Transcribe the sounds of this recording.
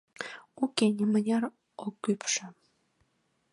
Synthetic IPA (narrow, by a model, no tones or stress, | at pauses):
ukenʲimənʲɑr | okːypʃə̆